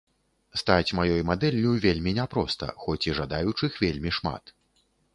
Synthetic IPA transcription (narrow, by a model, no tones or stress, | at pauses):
st̪at͡sʲmajɔjmad̪ɛlʲːuvʲelʲmʲinʲɛpɾɔst̪ɐ̰xɔt͡sʲiʐad̪ajut͡ʂɨxvʲelʲmʲiʂma̰t̪